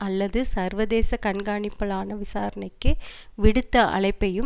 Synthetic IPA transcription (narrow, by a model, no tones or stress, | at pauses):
ɐlːɐðɯsɐɾʋɐðeːsɐkɐɳɡaːɳɪpːɐɭaːnɐʋɪsaːɾɐnɐɪkːɯʋɪɽɯt̪ːɐʔɐ̰ɭɐɪpːɐjɯ